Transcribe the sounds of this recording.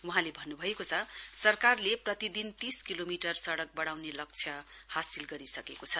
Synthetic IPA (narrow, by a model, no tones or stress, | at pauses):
wuɦãlebʱʌnːubʱʌekot͡sʰʌsʌrkarleprʌt̪id̪int̪iskilomiʈʌrsʌɽʌk̚bʌɽawnelʌk̚t͡sʰjʌhasilɡʌɾisʌkekot͡sʰʌ